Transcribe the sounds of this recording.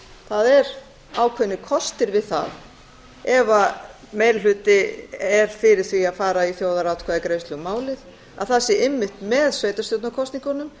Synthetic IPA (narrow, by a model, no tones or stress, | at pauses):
θaðɛɾ | aːwkʰvɛnːɪkʰɔst̪ɪɾvɪðθa̰ð | ɛva | meːjllʏːt̪ɪɛɾ̥fɪɾɪɾ̥θviaðfaːɾaiθjoːwðaɾawt̪kʰvaðɪkɾejslʏɣmaːwlɪð | a̰ðθasːɪemːɪht̪mɛðsveːjt̪ast̪ʏt̪nakʰɔst̪iŋkanʏm